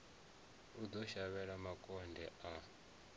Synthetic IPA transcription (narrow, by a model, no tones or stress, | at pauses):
ud̪ɔʃaβɛɺamakʼɔndʱɛʔa